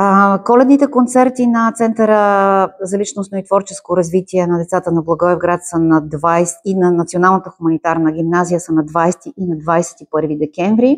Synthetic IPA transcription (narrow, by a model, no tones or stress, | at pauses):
kɔlɛd̪nit̪ɛkont̪sɛɾt̪inɐt̪sɛnt̪əɾəzɐlit͡ʃnosnoit̪vɔɾt͡ʃɛ̥skoɾɐzvit̪iɛnɐd̪ɛt̪sat̪ənɐblˠɐɡɔɛvɡɾat̪sənɐd̪vajsinɐnɐt̪sionalˠnət̪əxumɐnit̪aɾnəɡ̟ʲimnazijəsənɐd̪vajsɛ̥t̪iʔinɐd̪vajsɛ̥t̪ipɤɾvid̪ɛkʲɛɱvɾi